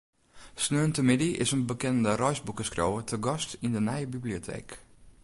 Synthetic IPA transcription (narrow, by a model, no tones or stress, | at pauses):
snøːntəmɪdiɪ̰sənbəkɛnəndərɔjzbukəskrowətʰəɡɔstindənɛjəbibliotʰḛːk